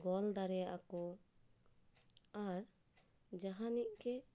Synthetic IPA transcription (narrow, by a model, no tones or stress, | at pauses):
ɡɔld̪aɾɛa̰kɔ | aɾ | d͡ʒaɦãniʔkɛ